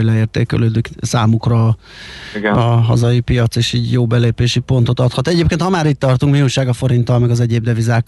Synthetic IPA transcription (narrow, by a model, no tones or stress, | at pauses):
jlɛeːrt̪ḛːkɛ̰løːd̪yksaːmukrɒː | ɒɦɒ̰zɒjipijɒt̪seːʃiːɟjoːbɛleːpeːʃipo̞nt̪o̞t̪ɒt̪hɒt̪ɛɟeːp̚kent̪hɒmaːɾit̪ːɒrt̪uŋkmiuːʃaːɡɒfo̞ɾint̪ɒlmɛɡɒzɛɟeːb̚d̪ɛvizaːk